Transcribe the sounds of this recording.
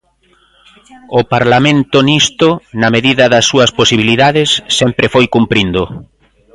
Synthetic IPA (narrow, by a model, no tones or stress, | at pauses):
ʊpaɾlamẽnt̪ʊnist̪onɐmeðiðɐðɐsːuɐsposiβiliðaðɪsːɛmpɾʔɪfojkumpɾind̪ʊ